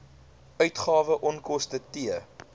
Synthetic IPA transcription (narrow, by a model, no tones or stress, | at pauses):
œɥtχɑːvəʔɔnkɔstətiə